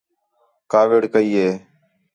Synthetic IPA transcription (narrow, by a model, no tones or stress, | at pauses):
kaːʋɪɽkəiːɦeː